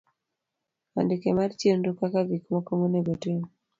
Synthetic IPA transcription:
a̰ndikemart͡ʃjendukakaɡikmɔkomoneɡotin

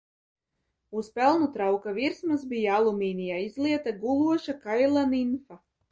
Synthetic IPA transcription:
uspɛlˠnut̪ɾawkaviɾsmasbijaalˠumiːnʲijaːizlˠiɛt̪aɡulˠuɔʃakajlˠaninfa

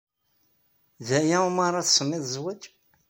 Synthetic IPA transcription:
ðæjæumaɾˤɑθsˤəmːɪðˤzwæd͡ʒ

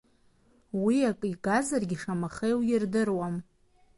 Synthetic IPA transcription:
wiakʼiɡazarɡʲiʂamaχejwjɪrdɨrwam

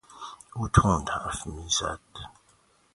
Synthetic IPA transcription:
utʰɔ̃ndaʔafimisa̰t

